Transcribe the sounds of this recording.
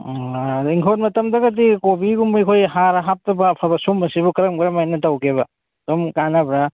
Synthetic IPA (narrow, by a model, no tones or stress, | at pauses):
iŋkʰot̚mɐtɐmdɐɡɐt̬ːikobiɡumbɐjkʰojɦaɾɐɦap̚tɐbɐpʰɐbɐsumːɐsibukɐɾɐmɡɐɾɐmajnɐtɐwkʰeβɐ | somkanɐbɾɐ